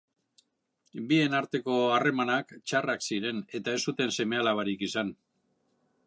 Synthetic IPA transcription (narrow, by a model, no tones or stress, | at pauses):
bie̞naɾt̪e̞ko̞are̞manakt͡ʃaraksiɾe̞ne̞t̪ae̞sut̪e̞nse̞me̞alaβaɾikisan